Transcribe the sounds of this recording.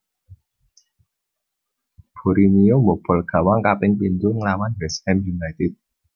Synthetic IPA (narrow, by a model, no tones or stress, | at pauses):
b̥o̤ɾinijomob̥ɔ̤lɡ̥ä̤waŋkapɪŋpint̪ʊŋlawanbɛsɛmjunajt̪ɪt̪̚